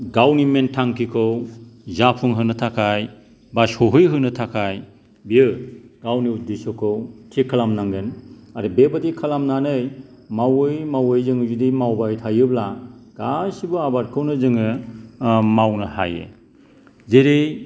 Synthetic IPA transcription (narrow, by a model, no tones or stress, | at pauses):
ɡawnimentʰaŋkʰikʰɯwzapʰɯŋɦɯnɯtʰakʰaj | basɔɦɯjɦɯnɯtʰakʰaj | bijɯɡ̥awnidisɔkʰɯwtʰikʰːalamnaŋɡɯnaɾɯbebadikʰalamnanɯj | mawɯjmawɯjzɯŋɯzudimawbajtʰajɯblaɡ̥asibɯabaɾkʰɯwnɯzɯŋɯ | mawnɯha̰jḛ | zeɾej